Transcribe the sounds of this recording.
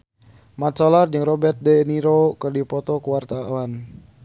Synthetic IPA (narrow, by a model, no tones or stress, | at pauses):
mat̪̚solard͡ʒɨŋrɔbɛrt̪̚dɛniɾokɨrdipɔt̪ɔkuwart̪awan